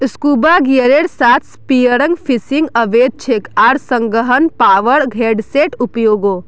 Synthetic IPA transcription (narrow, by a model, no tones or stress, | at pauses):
skuːbaɡeɾeɽsaːt̪ʰspijəɾə̃ŋɡfʰisiŋɡəʋeːd̪̚t͡ʃʰekaːɾsə̃ŋɡəɦənpaːʋəɾɡʱeːɖseʈʊpjoːɡo